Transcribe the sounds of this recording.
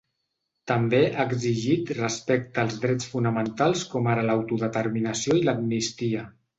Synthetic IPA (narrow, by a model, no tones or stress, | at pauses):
t̪əmbeʔaɡziʒit̪rəspɛk̚t̪əːlˠzðɾɛt͡sfunəmənt̪alˠskɔmaɾələwt̪uðət̪əɾminəsioiləmnist̪iə